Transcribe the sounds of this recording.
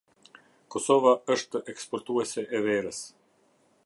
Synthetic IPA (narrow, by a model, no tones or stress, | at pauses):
kɔsɔvaəʃtt̪əʔɛkspɔɾt̪uɛsɛʔɛvɛɾəs